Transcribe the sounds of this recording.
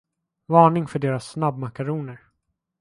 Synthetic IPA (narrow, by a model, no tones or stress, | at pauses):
vɑːɳɪŋfœɖeːɾasːnabmakaɾuːnəɾ